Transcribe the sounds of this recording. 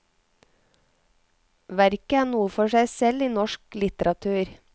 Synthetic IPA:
ʋæɾkəæːɳuːəfɔʃæɪsɛliːnɔʃklɪt̪əɾɑt̪ʰʉːɾ

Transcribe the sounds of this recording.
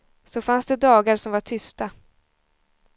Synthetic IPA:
sɔfansd̪ɛd̪ɑːɡaɾsɔmvaʈʰʏst̪a

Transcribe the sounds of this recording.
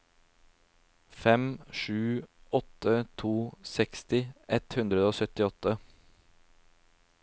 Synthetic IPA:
fɛmʂʉːɔt̪ət̪ʰuːsɛkst̪ɪʔɛt̪hʉnd̪ɾəd̪əoːsœt̪ɪɔt̪ːə

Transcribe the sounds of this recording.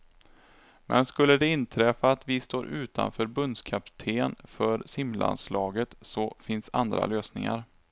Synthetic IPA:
mʔɛ̰nskɵlːəd̪ɛɪnt̪ʰɾɛfaːt̪vɪst̪oːɾʔʉ̟ːt̪a̰nfœːɾbɵnd̪skʰapt̪ʰeːnfœɾsɪmla̰nslɑːɡət̪sɔfɪnsa̰nd̪ɾa̰løːsnɪŋa̰ɾ

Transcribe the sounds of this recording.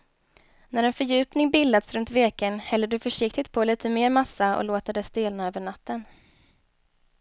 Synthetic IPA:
næɾɛnfœɾjʉ̟ːpnɪŋbɪlad̪sɾɵnt̪veːkənhɛlːəɖɵfœʂɪkt̪ɪt̪̚pʰɔliːt̪ʰəmeːɾmasːaʔɔ̰loːt̪ad̪ɛsd̪eːlnaøːvəɳat̪ːən

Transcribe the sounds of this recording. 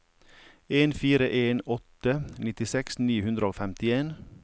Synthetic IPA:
eːnfiːɾəʔeːnɔt̪ənɪt̪ɪsɛksniːhʉnd̪ɾəoːfɛmt̪ɪeːn

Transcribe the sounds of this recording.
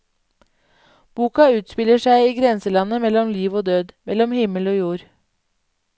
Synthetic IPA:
b̥uːkɑʉːt̪spɪləʃæɪiːɡɾɛnsəlɑnəmɛlɔmliːʋoːd̪øːd̪mɛlɔmhɪməloːjuːɾ

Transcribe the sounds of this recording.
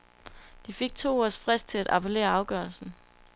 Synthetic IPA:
d̥ife̝ɡ̥̚t͡sʰo̝̰ːɒsfʁɛsd̥̚t͡sʰe̝læd̥ɑ̈pʰe̝le̝̰ːɐɑ̈ʊɡ̥ɶɐlsn̩

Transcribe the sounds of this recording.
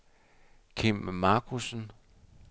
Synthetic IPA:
kʰim̰mɑ̈ːkʰusn̩

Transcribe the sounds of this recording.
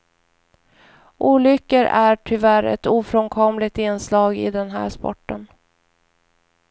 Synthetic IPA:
ʔuːlʏkːəɾæʈʰʏvæɾɛ̰t̪uːfɾɔŋkʰɔmlɪɡ̚t̪ɪnslɑːɡɪ̰d̪ɛnɦæ̰ːʂpɔ̰ʈːən

